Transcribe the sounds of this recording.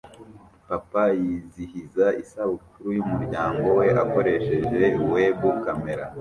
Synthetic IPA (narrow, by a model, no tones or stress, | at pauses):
papajiːzihizaisaβukuɾujumuɾɟaːŋɡo̞we̞ʔako̞ɾe̞ʃeʒe̞uwe̞βukame̞ɾa